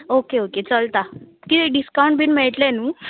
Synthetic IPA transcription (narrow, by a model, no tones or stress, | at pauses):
okeoket͡səlt̪akiɖiskaw̃ɳʈbʱiːnmeɭʈlɛnuː